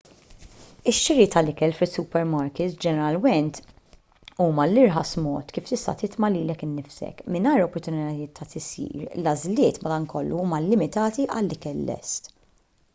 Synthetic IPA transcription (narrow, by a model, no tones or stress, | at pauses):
ɪʃːɪɾit̪ʰɐlɪkɛlfɪsːupɛɾmɐɾkɪt̪d͡ʒɛnɛɾɐlmɛnt̪ | uːmɐlɪɾħɐsmɔ̰ːt̪kiːft̪ɪst̪ɐ̰t̪ɪt̪mɐliːlɛkɪnːɪfsɛ̰kmɪnɐjɾɔpːɔɾt̪ʊnɪt̪ɐjɪːt̪ʰːɐt̪ɪsḭːɾlɐzlɪːt̪mɐd̪ɐːŋkɔlːuuːmɐlɪmɪt̪ɐːt̪iʔɐlːɪkɛlːɛ̰st̪